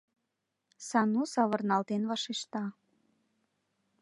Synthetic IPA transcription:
sɑnusɑβɤ̆rnɑlt̪enβɑʃeʃt̪ɑ

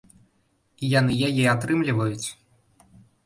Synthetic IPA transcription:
ijan̪ɨjajɛat̪ɾɨmlʲivɐjut͡sʲ

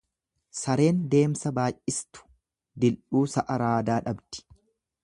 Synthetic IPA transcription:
sɐɾe̞ːnd̪e̞ːmsɐbaːʔʔɪst̪ʊ̥ | d̪ɪlʔuːsɐʔɐɾaːd̪aːᶑɐbd̪̥ɪ̥

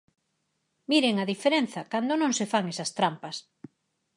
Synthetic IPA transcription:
miɾeŋaðifeɾen̟θɐkand̪onõŋsefaŋesɐst̪ɾampɐs

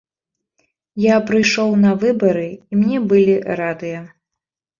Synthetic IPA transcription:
japɾɨjʂɔwnɐvɨbɐɾɨimnʲɛbɨlʲiɾad̪ɨjɐ

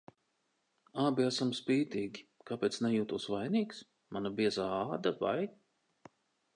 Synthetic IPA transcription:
aːbʲiasamspiːt̪iːɡʲikapʲeɛːt̪snɛjuːt̪uːsvajniːks | manabiɛzaːaːd̪ava̰j

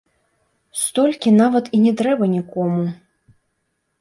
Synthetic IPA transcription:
st̪ɔlʲkʲinavɐt̪inʲɛt̪ɾɛbɐnʲikɔmu

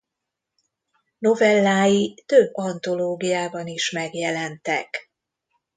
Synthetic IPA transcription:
no̞vɛlːaːjit̪øbɒnt̪o̞loːɡijaːbɒniʃmɛɡjɛlɛnt̪ɛk

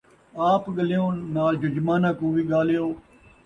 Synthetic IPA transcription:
aːpɠəlijõːnaːld͡ʒʊd͡ʒmaːnãːkũːʋiːɠaːlejoː

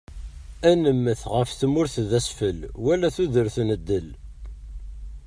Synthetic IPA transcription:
ænəmːəθʁəfθəmːʊɾθðæsfəlwælæθuðəɾθnəd̪ːəl

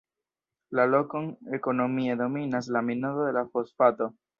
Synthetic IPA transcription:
lalokoŋeko̞no̞mied̪o̞minas̬laminoðoðelafosfat̪o

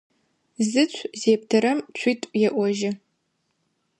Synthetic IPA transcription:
zɨt͡ɕʷʰzeːp̚tʰɐɾɐmt͡ɕʷʰiːtʼjɛʔʷɔʒɪ

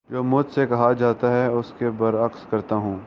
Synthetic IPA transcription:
d͡ʒoːmʊd͡ʒsekɐɦad͡ʒaːt̪aɦɛʊskebɐɾɐkskɐɾt̪aɦũː

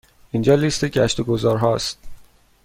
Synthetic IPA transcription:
ʔind͡ʒɒːlist̪eɟæʃt̪oɡozɒːɾɦɒːst̪̚

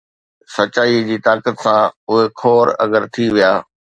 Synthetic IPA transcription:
sɐt͡ɕaːid͡ʑiːt̪aːkət̪sãʊɦekʰoːɾɐ̰ɡəɾt̪ʰiʋijaː

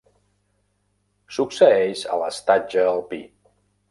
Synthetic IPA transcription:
suksəeʃə̰ləst̪ad͡ʒəːlˠpi

